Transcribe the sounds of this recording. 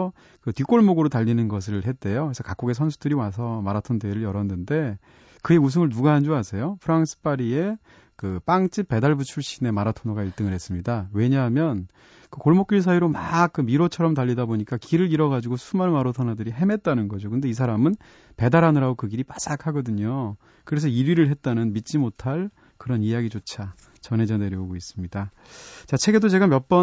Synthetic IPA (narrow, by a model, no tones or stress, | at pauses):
ʌ | kɯtɥik͈oɭmoɡɯɾotaʎːinɯnɡʌs̬ʰɯɭhe̞t̚t͈e̞jokesʰʌkak͈oɡe̞sʰʌns̬ʰudɯɾiwas̬ʰʌmaɾatʰondeɾɯɭjʌɾʌnːɯnde̞ | kɯe̞usʰɯŋɯɭnuɡaːnd͡ʑoasʰe̞jopʰɯɾaŋs͈ʰɯ̥p͈aɾie̞ | kɯp͈aŋt͡ɕ͈ip̚p͈e̞daɭbut͡ɕʰuɭɕ͈ine̞maɾatʰonoɡaiɭt͈ɯŋɯɭhe̞s͈ɯmɲidawe̞ɲaɦːmjʌn | kɯkoɭmok͈̚iɭs̬ʰaiɾomak̚k͈ɯmiɾot͡ɕʰʌɾʌmt̬aʎːidaboɲik͈akiɾɯɾiɾʌɡad͡ʑiɡosʰumamaɾotʰʌnadɯɾiɦe̞me̞t̚t͈anɯnɡʌd͡ʑokɯnde̞is̬ʰaɾamɯn | pe̞daɾɦanɯɾaɡokɯɡiɾipas͈akʰaɡʌdɯɲo | kɯɾe̞s̬ʰʌiɾɥiɾɯɭɦe̞t̚t͈anɯnmit̚t͡ɕ͈imotʰaɭ | kɯɾʌnijaɡit͡ɕot͡ɕʰa | t͡ɕʌne̞d͡ʑʌne̞ɾjʌoɡois͈ɯmɲida | t͡ɕat͡ɕʰe̞ɡe̞dot͡ɕe̞ɡamjʌp͈ʌ